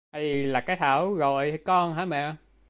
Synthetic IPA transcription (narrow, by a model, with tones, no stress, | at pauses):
t̪a̰˧˨jvi˨˩laː˨˩kaː˨˦jt̪ʰaː˧˩˦wɣo˧˨jkɔ˧nɦaː˨˦mɛ̰˧˨˦